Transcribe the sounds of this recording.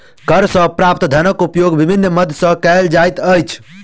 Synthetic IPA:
kəɾsə̃pɾap̚t̪d̪ʱənəkupjoɡbibʱinːməd̪ʱsə̃kəld͡ʒajt̪əjt͡ʃʰ

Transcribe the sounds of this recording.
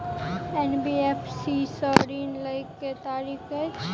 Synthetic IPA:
enbiepʰsisɔɾiːnləɪkːet̪aːɾiːke

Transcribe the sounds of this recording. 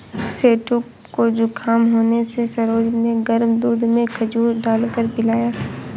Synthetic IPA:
seːʈu | kod͡ʒokʰaːmɦoːnesesɐɾoːd͡ʒneɡəɾmd̪uːd̪ʱmẽkʰɐd͡ʒuːɾɖaːlkəɾbɪlaːjaː

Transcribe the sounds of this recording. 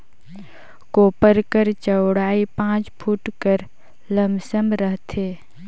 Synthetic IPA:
koːpəɾkəɾt͡ʃəwɽaːipãːt͡ʃpʰuʈkəɾ | ləmsəmɾəɦt̪ʰeː

